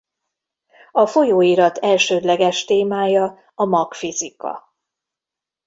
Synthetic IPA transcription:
ɒfo̞joːiɾɒt̪ɛlʃøːd̪lɛɡɛʃt̪eːmaːjɒ | ɒmɒkfizikɒ̰

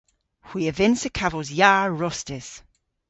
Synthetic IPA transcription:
hw̥iəvɪnsəkʰavɔzjaːɹɔstɪz̥

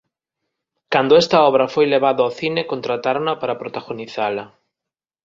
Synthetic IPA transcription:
kand̪oɛst̪ɐɔβ̞ɾɐfojleβ̞aðoawθinekont̪ɾat̪aɾonapaɾapɾot̪aɣoniθalɐ

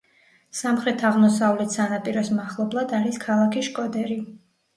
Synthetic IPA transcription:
samχɾɛt̪ʰaʁmɔsavlɛt̪ʰsanapʼiɾɔsmaχlˠɔblˠad̪aɾiskʰalˠakʰiʃkʼɔd̪ɛɾi

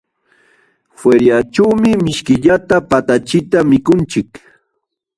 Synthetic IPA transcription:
fweɾjaʈ͡ʂawmɪmɪʃkɪʎat̪apat̪at͡ʃɪt̪amɪkʊnt͡ʃɪk

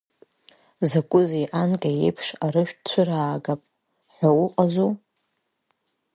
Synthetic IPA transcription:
zakʷʼʊzeʔankʼajḛpʰʂaɾɨʃᶣt͡ɕʷʰɨraːɡapʼ | ħʷᶣawʊqʼazu

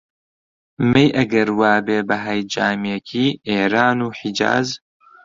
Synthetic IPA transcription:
mejʔɐɡɐɾwaːbeːbɐɦajd͡ʒaːmjekʰiːʔeːɾaːnuːħid͡ʒa̰ːz

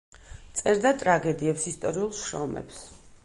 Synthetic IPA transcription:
t̪sʼɛɾd̪at̪ʼɾaɡɛd̪iɛpsist̪ʼɔɾiulˠʃɾɔmɛ̰ps

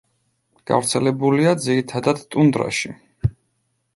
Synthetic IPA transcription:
ɡ̥a̰vɾt̪sʰɛlɛbuliad̪ziɾit̪ʰad̪ad̪t̪ʼund̪ɾa̰ʃḭ

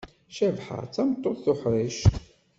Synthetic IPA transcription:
ʃævħə̰ɾt͡sːæmt̪ˤːoðθʊħɾˤiʃ

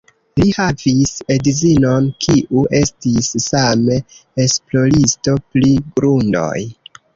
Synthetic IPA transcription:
lihavisedizino̞nkʰiʔuʔe̞stisːameesplo̞ɾisto̞pliɡɾundo̞̰j

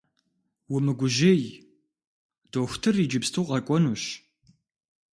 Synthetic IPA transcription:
wʊmɨɡʷʊʒej | d̥oːxʷtʰɨrid͡ʒɪpstʰuqɐkʷʼɔnuːɕ

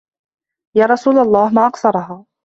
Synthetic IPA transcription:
jaːɾˤɑsuːlalˤːɑːhmaːʔɑqsɑɾˤɑɦaː

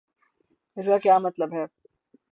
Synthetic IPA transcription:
ɪsɾakjaːmɐt̪ləbɦɛː

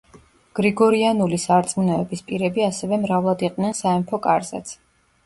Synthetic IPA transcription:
ɡ̥ɾiɡɔɾianulisaɾt̪sʼmunɛɛbispʼiɾɛbiasɛvɛmɾavlˠad̪iqʼnɛnsaɛmpʰɔkʼaɾza̰t̪sʰ

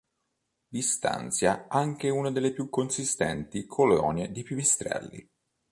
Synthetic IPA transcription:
d̪ist̪a̰nt̪sjaaŋk̟eunad̪elːepjukːonsist̪ɛnt̪ikʰolɔ̰ːned̪ipivist̪ɾɛ̰lːḭ

